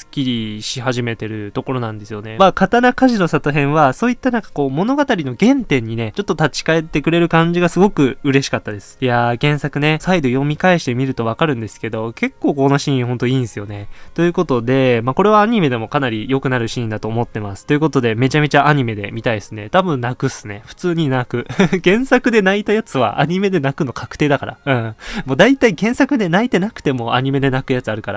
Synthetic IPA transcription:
sɨ̥kʲiɾʲiɕihaʑime̞t̪e̞ɾɯ̟t̪o̞ko̞ɾo̞nãnd̪e̞sɨjo̞ne̞makat̪anakaʑino̞sat̪oɦẽ̞ɰ̃βaso̞ːit̪ːanãŋkḁko̞ːmo̞no̞ɡat̪aɾʲino̞ɡẽ̞nt̪ẽ̞ɲ̟ːine̞t͡ɕo̞t̪ːot̪at͡ɕi̥kae̞t̪ːe̞kɯ̟ɾe̞ɾɯ̟kãɲ̟d͡ʑiɡasɨɡo̞kɯ̟ɯ̟ɾe̞ɕi̥kat̪ːad̪esɨ̥jaɡẽ̞ɰ̃sakɯ̟ne̞said̪o̞jo̞mʲikaiɕi̥t̪e̞mʲiɾɯ̟t̪o̞β̞akaɾɯ̟̃nd̪e̞sɨ̥ke̞d̪o̞ke̞kːo̞ːkonoɕĩːĩho̞nt̪o̞iːnsɨjo̞ne̞t̪o̞jɯ̟ko̞t̪o̞d̪e̞mako̞ɾe̞β̞aːɲ̟ime̞d̪e̞mo̞kanaɾʲijo̞kɯ̟naɾɯ̟ɕĩnd̪at̪o̞ːmo̞t̪ːe̞masɨ̥t̪ːo̞jɯ̟ko̞t̪o̞d̪e̞me̞t͡ɕame̞t͡ɕaʔaɲ̟ime̞d̪e̞̰mʲit̪aid̪esɨne̞t̪abɯ̟̃nnakɯ̟sɨne̞ɸɯ̥t͡sɨːɲ̟inakɯ̟ɡẽ̞ɰ̃sakɯ̟d̪e̞nait̪ajat͡sɨβa̰ʔa̰ɲ̟ime̞d̪e̞nakɯ̟no̞kʰakɯ̟̥e̞ːd̪akaɾa̰ɯ̟̃ːmo̞ːd̪ait̪aikẽ̞ɰ̃sakɯ̟d̪e̞nait̪e̞nakɯ̥t̪e̞mo̞aɲ̟ime̞d̪e̞nakɯjat͡sɨaɾɯ̟kaɾa̰

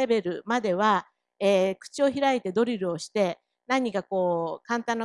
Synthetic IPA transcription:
e̞be̞ɾɯ̟mad̪e̞β̞a | eːkɯ̟̥t͡ɕio̞çiɾait̪e̞d̪o̞ɾʲiɾɯ̟o̞ɕi̥t̪e̞ | nãɲ̟ːikako̞ːkãnt̪ãnːa

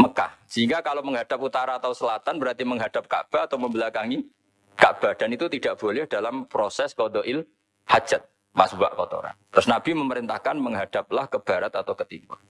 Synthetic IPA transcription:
məka̰hsəɦiŋɡakaloməŋɦad̥ap̚ut̪aɾaːt̪awsəlat̪anbəɾart̪iməŋɦad̥ap̚ka̰ʔb̥aːt̪awməmbəlakaŋi | ka̰ʔb̥a̤d̥anit̪ut̪idaʔb̥olɪhd̥alampɾosɛskodoʔɪl | hḁd͡ʒ̥at̪̚ | masbua̰ʔkɔt̪o̰ɾa̰t̪ɾʊsnab̥iməməɾint̪ahkanməŋɦad̥a̤p̚lahkəb̥aɾat̪at̪awkət̪imʊ

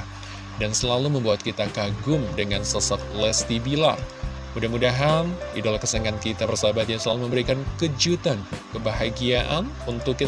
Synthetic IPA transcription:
dansəlaluməmbuat̪̚kit̪akaɡʊmdəŋansəsat̪̚lɛst̪ibila̰r | mudahmudaɦanidalahkəsaŋankit̪abərsabat̪jaŋsəlaluməmbəɾikankəd͡ʒut̪ankəbaɦaɡiaʔanunt̪ʊkːi

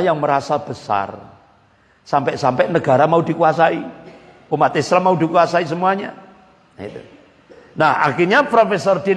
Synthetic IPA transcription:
jaŋməɾasab̥əsa̰r | sampɛʔsampɛʔnəɡ̥a̤ɾamaudikuasai | pəmat̪esɾamaudikuasais̬əmuaɲa | ḭt̪ṵ | naha̰kirɲapɾofesɔrd̥̪in

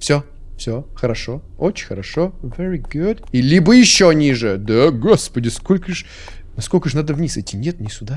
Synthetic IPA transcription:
fsʲo | fsʲoxəɾɐʂoot͡ɕɪnʲxəɾɐʂovɛɾiɡud̪ilʲibəjɪɕːoɐnʲiʐɨd̪aɡospədʲɪskolʲkəʂ | nɐskolʲkəʂnad̪əvnʲisɛtʲɪnʲet̪nʲɪsʲʊd̪a

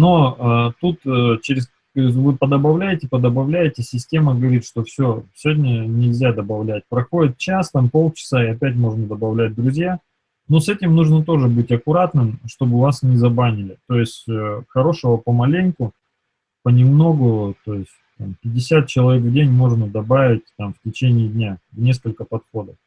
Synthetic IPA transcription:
no̞ət̪ut̪ət͡ɕɪɾʲɪs | vɨpəd̪əbɐvlʲæjɪtʲɪpəd̪əbɐvlʲæjɪtʲɪsʲɪsʲtʲe̞məɡəvɐɾʲit̪ʂt̪o̞fsʲosʲvʲodʲnʲənʲɪlʲzʲad̪əbɐvlʲæt̚ʲpɾɐxo̞dʲɪt̪̚t͡ɕast̪ampo̞lˠt͡ɕɪ̥saɪɐpʲæt̬ʲmo̞ʐnəd̪əbɐvlʲæt̚ʲd̪ɾʊzʲja | nosɛtʲɪmnuʐnət̪o̞ʐɨbɨtʲɐkʊɾat̪nɨmʂt̪o̞bɨvasnʲɪzɐbanʲɪlʲɪt̪o̞jɪsʲtʲəxɐɾo̞ʂəvəpəmɐlʲenʲkʊ | pənʲɪmno̞ɡʊt̪o̞jɪsʲtʲt̪ampʲɪdʲːɪsʲat̪̚t͡ɕɪlˠɐvʲekvdʲenʲmo̞ʐnəd̪ɐbavʲɪt̚ʲt̪amftʲɪt͡ɕenʲɪːd̪ʲnʲavnʲe̞skəlʲkəpɐt̪xo̞d̪əf

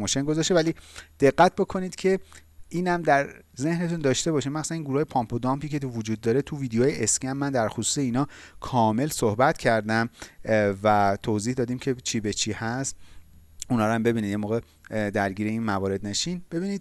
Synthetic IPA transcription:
moʃenɡo̞zɒːʃt̪evæliːd̪̥e̞ɢːæt̪̚ʰbo̞kʰo̞niːd̪̥cʰe̞ | ʔiːnæmd̪æɾze̞hne̞t̪ʰund̪ɒːʃt̪e̞bɒːʃiːmmæxsæniːnɡuɾuhɒjepʰɒmpʰod̪ɒmpʰiːce̞vod͡ʒuːd̪ːɒːɾe̞t̪ʰuviːd̪ejoːjeʔescæmːænd̪æɾxosu̥ːse̞iːnɒːkʰɒːme̞lsohbæt̪cʰæɾd̪æm | væt̪ʰoziːhd̪ɒːd̪iːmcʰe̞t͡ʃʰiːbe̞t͡ʃʰiːhæst̪ | unɒːɾæmbe̞biniːd̪jemoːɣe̞ | d̪æɾɟiːɾe̞inmævɒːɾe̞d̪neʃinb̥e̞biːniːd̪̚

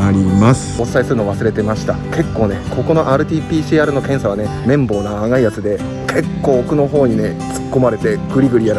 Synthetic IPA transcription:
aɾʲimasɨ̥ot͡ssːaisɨɾɯnoːβasɨɾe̞t̪e̞maɕi̥t̪ake̞kːo̞ːne̞kʰo̞ko̞no̞ʔaːɾɯ̟t̪ʲiːpʲiːɕiːaɾɯno̞kẽ̞ɰ̃saβ̞ane̞mẽ̞mbo̞ːnaːŋaijat͡sɨd̪e̞ | kʰe̞kːo̞ːkɯ̟no̞ɦo̞ːɲ̟ine̞t͡sɨ̥kːo̞maɾe̞t̪e̞ɡ̥ɯ̟ɾʲiɡɯ̟ɾʲijaɾ

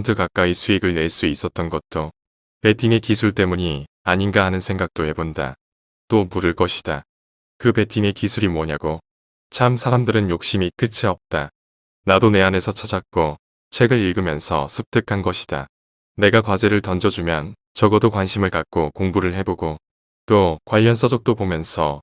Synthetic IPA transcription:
ntʰɯkak͈aisʰuiɡɯɭne̞ɭs͈uis͈ʌt̚t͈ʌnɡʌt̚t͈o | pe̞tʰine̞kisʰuɭt͈e̞muɲi | aɲinɡaɦanɯnsʰe̞ŋɡak̚t͈ohe̞bonda̰ | t͈omuɾɯɭk͈ʌɕʰi̥d̥a | kɯpe̞tʰine̞kisʰuɾimwʌɲaɡo | t͡ɕʰamsʰaɾamdɯɾɯnjok̚ɕ͈imik͈ɯt͡ɕʰiʌp̚t͈a | nadone̞ane̞sʰʌt͡ɕʰʌd͡ʑak̚k͈o | t͡ɕʰe̞ɡɯɾiɭɡɯmjʌnsʰʌ̰sʰɯp̚t͈ʰɯkʰanɡʌɕʰi̥d̥a̰ | ne̞ɡakwad͡ʑe̞ɾɯɭtʌnd͡ʑʌd͡ʑumjʌn | t͡ɕʌɡʌdokwanɕʰimɯɭkak̚k͈okoŋbuɾɯɭhe̞boɡo | t͈okwaʎːʌnsʰʌd͡ʑok̚t͈opomjʌnsʰʌ

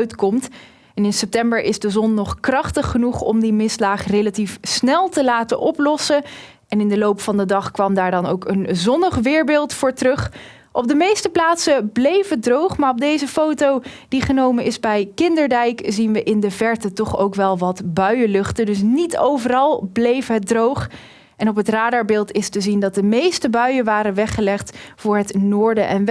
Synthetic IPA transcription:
ɥtkɔmt | ɛnɪnsɛp̚tɛmbəɹʔɪzdəzɔnːɔχkrɑχtəχːənuχɔ̰mdimɪslaːχrejlatifsnɛlˠtəlaːtənʔɔplɔsə | ʔɛnɪndəlowpfɑndədɑχkʋɑmdaːɹdɑnowkənzɔnəχʋɪːɹbɪːlˠtfʊːɹtrɵχ | ʔɔb̚dəmejstəplaːtsəblejvədrowχmaːɹɔb̚dejzəfowtow | d̥iχənowmənɪzbɛjkɪndəɹdɛjkzinʋəʔɪndəvɛɹtətɔχowkʋɛlˠʋɑtbœɥəlɵχtədɵs̬nito̰wvərɑlˠblejfɦət̚drowχ | ɛnɔp̬ɦətraːdɑɹbɪːlˠtɪstəzindɑt̚dəmejstəbœɥəʋaːɾənʋɛχəlɛχtfʊːɹɦətnʊːɹdəʔɛn

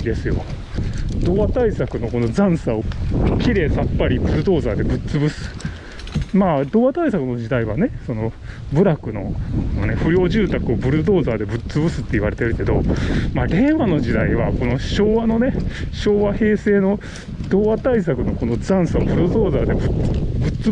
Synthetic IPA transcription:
d̪e̞sɨjo̞̰ | d̪̥o̞ːβat̪aisakɯ̟no̞ko̞no̞zãɰ̃saokʲiɾe̞ːsapːaɾʲibɯ̟ɾɯd̪o̞ːzaːd̪e̞bɯ̟t͡sɨbɯ̟sɨ̥ | maːd̪o̞ːβat̪aisakɯ̟no̞d͡ʑid̪aiβane̞so̞no̞bɯ̟ɾakɯ̟no̞̰none̞ɸɯ̟ɾʲjo̞ːʑɨːt̪akɯ̟o̞bɯ̟ɾɯ̟d̪o̞ːzaːd̪e̞bɯ̟t͡sɨbɯ̟sɨ̥t̪ːeiβ̞aɾe̞t̪eɾɯ̟ke̞d̪o̞̰maːɾe̞ːβano̞d͡ʑid̪aiβako̞no̞ɕo̞ːβano̞ne̞ɕo̞ːβahe̞ːse̞ːno̞ | d̪̥o̞ːβat̪ais̬akɯ̟no̞ko̞no̞d͡zãɰ̃saobɯ̟ɾɯd̪o̞ːzaːd̪e̞bɯbɯ̟t͡s

